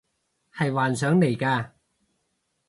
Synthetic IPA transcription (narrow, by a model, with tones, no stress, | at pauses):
hɐ˨jwaː˨nsœː˨˥ŋle˨˩jkaː˧